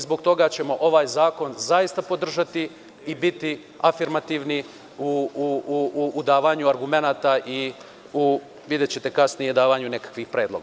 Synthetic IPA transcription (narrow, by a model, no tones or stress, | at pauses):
zbo̞ɡt̪o̞ɡat͡ɕe̞mo̞ʔo̞ʋaːjzaːko̞nzaist̪apo̞d̪r̩ʒat̪i | ibit̪i | afiɾmat̪iːʋni | uuː | d̪aːʋaɲuaɾɡume̞naːt̪aʔi | u | ʋid̪et͡ɕet̪e̞kasnijed̪aːʋaɲune̞kḁkʋixpɾeːd̪lo̞̰ɡa